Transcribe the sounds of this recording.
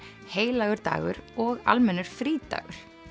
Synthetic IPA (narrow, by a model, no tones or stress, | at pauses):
heːjlaːɣʏɾ̥t̪a̰ːɣʏ̰ɾɔɣa̰lmɛnːʏɾ̥fɾiːt̪a̰ːɣʏɾ̥